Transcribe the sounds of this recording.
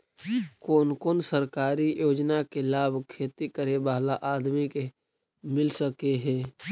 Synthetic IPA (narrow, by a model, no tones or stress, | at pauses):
koːnkoːnsəɾkaːɾijoːd͡ʒnakelaːbʱkʰeːt̪ikəɾebaːlaʔaːd̪mike | mɪlsəkeɦɛː